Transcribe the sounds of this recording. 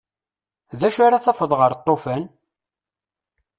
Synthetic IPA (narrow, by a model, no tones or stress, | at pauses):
ðæʃaɾaθɑfəðˤʁəɾt̪ˤːofæn